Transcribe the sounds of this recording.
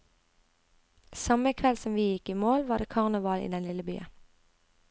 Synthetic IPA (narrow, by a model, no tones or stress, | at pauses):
sɑməkʰʋɛlsɔmʋiːjɪkiːmoːlʋɑːd̪eːkʰɑʁnəʋɑlḭːd̪ɛnlɪləby̰ːə̰